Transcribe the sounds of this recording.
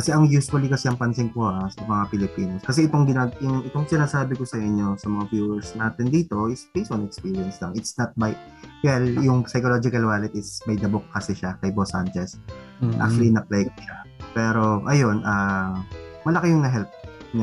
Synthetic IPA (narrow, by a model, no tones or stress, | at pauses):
kɐsɛʔɐŋjusfɐlikɐsɛɐŋpɐnsɪŋpohasɐmɐŋapɪlɪpiːnoskɐsɛɪt̪oŋɡɪnaɡjʊŋʔɪt̪oŋsɪnaːsaːbɪkosɐʔɪɲːo̞sɐmɐŋabjuːwɛɹsnaːt̪ɪnd̪iːt̪o̞ʔɪspisonɛkspiːɹiɐnslɐŋɪt̪snɐt̪̚bɐj | wɛljʊŋsɐjkolod͡ʒɪkɐlwaːlɛt̪̚ɪsbɐjd̪ɐbok̚ːɐsɛʃakɐjbosant͡ʃɛs | ʔa̰k̚t͡ʃuɐlinɐplɛjk̚ʃapɛːɾo̞ʔɐjo̞nʔɐ | mɐlɐkejʊŋnɐɦɛlp̚ɲa